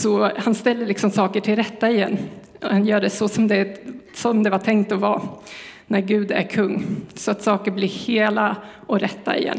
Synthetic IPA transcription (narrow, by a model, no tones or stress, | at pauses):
sɔhanst̪ɛlːəɭɪksɔmsɑːkəʈʰɪlɾɛt̪ːaɪjɛnː | hanjœːɖɛsɔsɔmd̪ɛsɔmd̪ɛvaʈʰɛŋkt̪ɔvɑːnæɾɡʉ̟ːd̪æ̰ɾkʰɵŋːsɔat̪sɑːkəɾblɪɾheːlaʔɔɾɛt̪ːa̰ɪ̰jɛ̰nː